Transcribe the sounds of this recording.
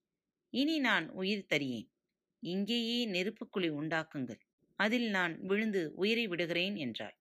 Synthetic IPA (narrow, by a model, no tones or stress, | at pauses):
ɪninaːnʊjɪɾt̪ɐɾɪjḛːn | ɪŋɡeːjeːnɪɾɯpːɯkːɯɭɪʊɳɖaːkːɯŋɡɐɭ | ɐðɪlnaːnʋɪɻɯnd̪ɯʔʊjɪɾɐɪʋɪɽɯɣɪreːnɛndra̰ːl